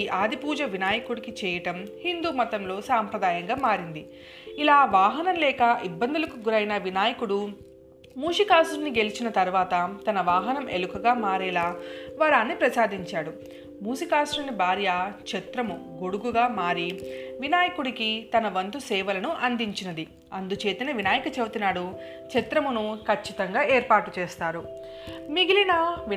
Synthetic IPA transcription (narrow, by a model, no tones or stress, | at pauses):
ʔaːd̪ʱipuːd͡ʒɐʋinaːjɐkuɽikit͡ʃɛːjɐʈɐmhind̪uːmɐt̪ɐmlo̞ːsaːmpɾɐd̪aːjɐŋɡaːmaːɾind̪i | ilaːʋaːɦɐnɐmlɛːkɐʔibːɐnd̪ulɐkuɡuɾɐjnɐʋinaːjɐkuɽu | muːʂikaːsɾuniɡe̞lit͡ʃinɐt̪ɐɾʋaːt̪ɐt̪ɐnɐʋaːɦɐnɐmʔelukɐɡaːmaːɾɛːlaːʋɐɾaːnːipɾɐsaːd̪iɲt͡ʃaːɽu | muːsikaːsɾunibʱaːɾjat͡ʃɛt̪ɾɐmuɡoɽuɡuɡaːmaːɾiʋinaːjɐkuɽikit̪ɐnɐʋɐnt̪usɛːʋɐlɐnuʔɐnd̪iɲt͡ʃinɐd̪i | ɐnd̪ut͡ʃe̞ːt̪inɐʋinaːjɐkɐt͡ʃewt̪inaːɽu | t͡ʃɛt̪ɾɐmunukʰɐt͡ʃːit̪ɐŋɡaːeːɾpaːʈut͡ʃɛːst̪aːɾu | miɡilinɐʋ